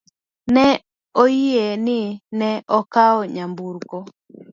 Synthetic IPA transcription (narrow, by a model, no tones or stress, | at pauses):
nɛ | ojienɪnɛɔkaɔɲambuɾkɔ